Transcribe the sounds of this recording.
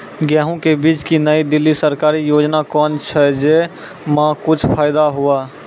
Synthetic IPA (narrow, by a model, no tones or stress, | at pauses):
ɡjɛːɦũkebiːt͡ʃkinəid̪ɪlːisəɾkaːɾijoːd͡ʒnakɔːnt͡ʃʰɛd͡ʒe | mãkʊt͡ʃʰpʰaːɪd̪aɦua